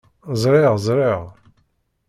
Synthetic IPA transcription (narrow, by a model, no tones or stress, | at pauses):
zˤɾˤɪʁzˤɾˤiʁ